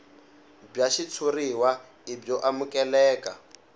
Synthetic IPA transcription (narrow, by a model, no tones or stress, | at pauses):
b͡ʐaʃit͡sʰuriwa | ibɔʔamukʼɛlɛːka̰